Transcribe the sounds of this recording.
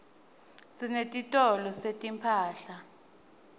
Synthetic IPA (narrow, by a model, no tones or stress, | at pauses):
sinetʼitʼɔlɔsetʼimpʰaːɬa